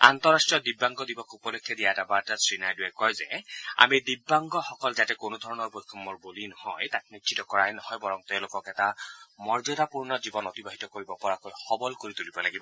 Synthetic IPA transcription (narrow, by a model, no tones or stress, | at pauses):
a̰nt̪ɔɹasʈɹiɔdibːaŋɡɔdibɔkupɔlɔkʰːɛdiatabaɹtasɹinajduɛkɔjzɛa̰midibːaŋɡɔxɔkɔlzatɛkonud̪ʱɔɹɔnɔɹbojkʰɔmɔɹbolinɔhɔjtat̚nitt͡ʃʰitɔkɔɹajnɔhɔjbɔɹɔŋteʊ̃lokɔkɛtamɔɹzɔdapuɹnɔzibɔnɔtibaɦitɔkoɹibɔpɔɹakojxɔbɔlkoɹit̪ulibɔlaɡibɔ